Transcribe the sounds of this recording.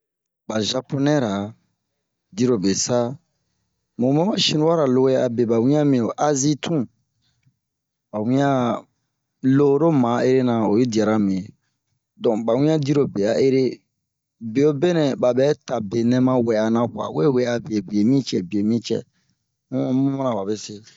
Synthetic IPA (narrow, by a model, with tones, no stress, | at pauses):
ba˨ʒa˧po˦nɛ̃˦ɾa˨ | di˦ɾo˨be˨sa˦ | mõ˨mɛ̃˦mã˦ʃĩ˦nũ˦a˦ɾa˨lo˧˦we˦a˨be˨ba˨wĩ˦ã˦mĩ˨o˨ʔa˦zi˦tʰũ˦ | ba˨wĩ˦ã˦ | lo˦ɾo˦mã˨˦e˦ɾe˦nã˨o˨je˦di˨a˨ɾa˨mĩ˨e˨ | dɔ̃˨ba˨wĩ˦ã˦di˦ɾo˨be˨a˨ʔe˦ɾe˦ | be˨jo˦be˦nɛ̃˨ba˨bɛ˨˦ta˨be˨nɛ̃˦mã˦wɛ˨a˨nã˨ka̰˨we˦˨we˨˦a˨be˨e˨bi˨e˨mĩ˦t͡ʃɛ̰˨bi˨e˨mĩ˦t͡ʃɛ̰̃˨˦ | mũ˦ma˦nã˨ba˨be˦se˦